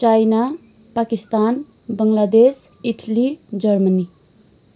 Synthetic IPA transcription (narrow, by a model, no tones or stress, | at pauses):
t͡ʃajna | pakist̪an | bəŋlad̪es | iʈʰlid͡ʒəɾməni